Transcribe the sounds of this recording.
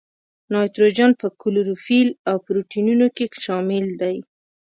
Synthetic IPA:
nɑjt̪ɾod͡ʒɑnpəkʊloɾufilawpɾoʈinunokeʃɑmɪld̪aj

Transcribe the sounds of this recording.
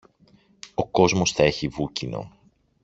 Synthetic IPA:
o̞ko̞zmo̞sθɐe̞çivucino̞̰

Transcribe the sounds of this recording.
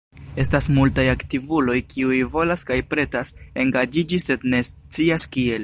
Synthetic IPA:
e̞stasmultajaktivulo̞jkʰiujvo̞laskajpɾe̞tase̞ŋɡad͡ʒid͡ʒise̞dne̞s | t͡siaskie̞l

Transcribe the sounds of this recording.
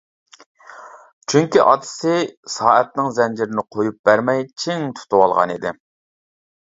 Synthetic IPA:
t͡ʃʰyŋkʲiʔɑ̰d̪ɨ̥sɪsɑːɛt̪̚nɪŋzɛnd͡ʒiɾɪnɪqʰojup̚b̥æɾmɛjt͡ʃʰiŋt̪ʰu̥t̪uwɑlˠʁɑ̰nid̪ɪ

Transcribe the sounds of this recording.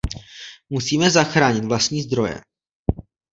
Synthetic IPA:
musiːmɛzaxɾaːɲɪt̪vlast̪ɲiːzd̪ɾo̞jɛ̰

